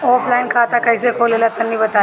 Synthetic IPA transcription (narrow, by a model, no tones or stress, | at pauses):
ɔːpʰlaːɪnkʰaːt̪akɐisekʰoːlelat̪ɐnːibɐt̪aː